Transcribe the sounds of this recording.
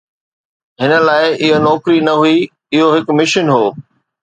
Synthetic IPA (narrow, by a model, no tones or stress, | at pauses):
ɦɪnə̆laːɪʔɪɦonɔːkɾinɐɦui | ɪɦoɦɪkmɪʃənɦoː